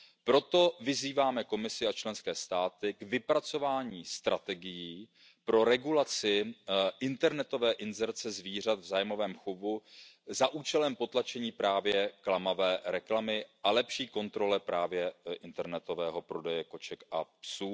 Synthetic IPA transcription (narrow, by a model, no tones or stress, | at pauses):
pɾo̞t̪o̞vɪziːvaːmɛko̞mɪsɪat͡ʃlɛnskɛːst̪aːt̪ɪɡvɪpɾat͡so̞vaːɲiːst̪ɾʔa̰t̪ɛɡɪjiː | pɾo̞ɾɛɡulat͡sɪʔɪnt̪ɛɾnɛt̪o̞vɛːʔɪnzɛɾt͡sɛzviːr̝at̪vzaːjmo̞vɛːmxobuzaʔuːt͡ʃɛlɛmpo̞t̪lat͡ʃɛɲiːpɾaːvjɛklamavɛːɾɛklamɪalɛpʃiːko̞nt̪ɾo̞lɛpɾaːvjɛʔɪnt̪ɛɾnɛt̪o̞vɛːɦo̞pɾo̞dɛjɛko̞t͡ʃɛkʔa̰psuː